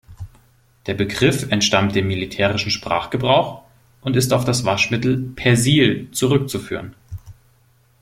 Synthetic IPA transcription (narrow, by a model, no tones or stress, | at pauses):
d̥eːɐbəɡʁɪfɛntʃtamt̚d̥eːmːilitʰɛːʁɪʃn̩ʃpʁ̥a̰ːχɡ̥əbʁaʊx | ʔʊntɪstaʊfd̥asv̥aʃmɪtl̩pʰɛɐziːlt͡suʁʏk̚t͡sufy̰ːʁən